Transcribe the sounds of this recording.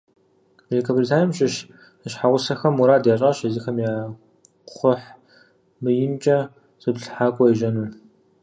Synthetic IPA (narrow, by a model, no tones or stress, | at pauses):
elekʰɐbolʲitʰaːrjmɕʼɪʃ | ɨɕħaʁʷʊsɐxɐmuɾaːdjaːɕʼɐʃɐzixɐmjaː | qʷʊħ | mɨjɪnt͡ʃʼɐ | sʼɨbɬħaːkʷʼɔjɛʒɐnuː